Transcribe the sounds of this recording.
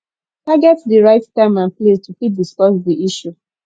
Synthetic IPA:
taɡɛtdiɹaɪttãɪ̃mãnplestufit̚diskɔsdiiʃu

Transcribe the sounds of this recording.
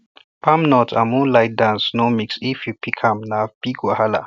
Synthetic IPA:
pamnɔtʰa̰mũlaɪt̚dãnsnomiksifjupikʰãmnab̥iɡwahala̰

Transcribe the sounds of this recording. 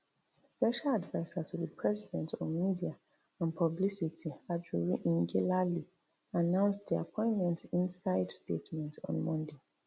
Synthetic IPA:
spɛʃaladvaɪsatʰudipʰɹɛzidɛ̃ntɔ̃vmidia | ãnpʰɔblisitʰiad͡ʒuɹiʔĩŋɡilali | anãʊ̃nsdia̰pʰɔ̃ɪ̃ntmɛ̃ntĩnsaɪd̥stetmɛ̃ntɔ̰̃nmɔ̃nde

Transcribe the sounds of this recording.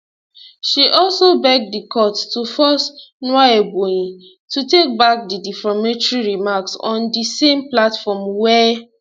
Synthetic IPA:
ʃiʔɔlsobɛɡ̚dikʰɔttufɔsnwaeboĩ | tutek̚bak̚didifɔmet͡ʃɹiɹimaksɔ̃ndisẽmplatfɔmwɛ

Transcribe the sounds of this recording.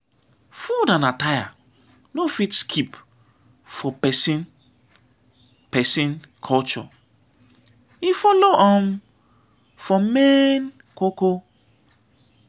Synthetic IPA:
fudanataja̰ | nofitskʰip | fɔpɛsin | pɛsĩn | kʰɔlt͡ʃɔ̰ | ifɔloʔam | fɔmen | koko

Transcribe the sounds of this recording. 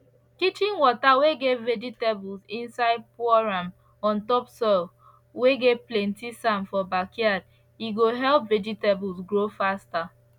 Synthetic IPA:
kit͡ʃĩnwɔtaweɡeved͡ʒitebulsĩnsaɪd̚pɔɹam | ɔ̃ntɔpsɔl | weɡeplẽntisãmfɔbakjad̚ | iɡoɦɛlpved͡ʒitebusɡɹofasta

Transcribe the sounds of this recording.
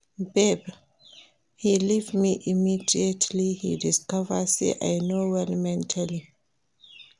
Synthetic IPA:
bɛb | hilivmiʔimidiətʰlihidiskɔvəsḛʔa̰jnowɛlmɛ̃ntʰali

